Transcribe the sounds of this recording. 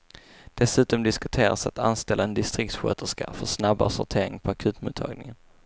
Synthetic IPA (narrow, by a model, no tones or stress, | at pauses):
d̪̥ɛsʉ̟ːt̪ɔmd̪ɪskɵt̪ʰeːɾa̰sat̪a̰nst̪ɛlːʔaɛnd̪ɪst̪ɾɪk̚t̪ɧø̰ːt̪əʂka̰fœʂnaba̰sɔ̰t̪ʰeːɾɪŋpʰɔakʰʉ̟ːt̪mʊːt̪ʰɑ̰ːɡnɪŋən